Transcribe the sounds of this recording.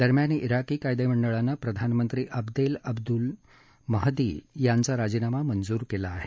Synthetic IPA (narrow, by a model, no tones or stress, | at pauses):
d̪əɾmjaneʔiɾakiːkajd̪eməɳɖəɭanːəpɾəd̪ʱanmənt̪ɾiːʔəbd̪eləbd̪ul | məɦd̪ḭːjant͡saɾad͡zinamamənd͡zuːɾkelaːɦe